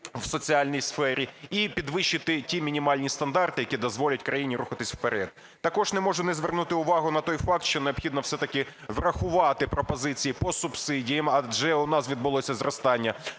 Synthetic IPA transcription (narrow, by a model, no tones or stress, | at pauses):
wsɔt͡sʲiɑlʲnʲijsfɛɾʲiipʲid̪ʋɪʃːɪt̪ɪtʲimʲinʲimɑlʲnʲist̪ɐnd̪ɑrt̪ɪjɐkʲid̪ɔzʋɔlʲɐtʲkɾɐjinʲiɾuxɐt̪ɪsʲwpeɾɛd̪ | t̪ɐkɔʒnɛmɔʒʊnɛzʋernut̪ɪʊʋɑɦʊnɐt̪ɔjfɑk̚t̪ʃt͡ʃɔneɔbxʲid̪nɔwsɛt̪ɐkɪ | ʋrɐxʊʋɑt̪ɪpɾɔpɔzɪt͡sʲijipɔsʊb̥sɪdʲijɐmɐʒɛʊnɑsʋʲid̪̚bʊlˠɔsʲɐzrɔst̪ɑnʲːɐ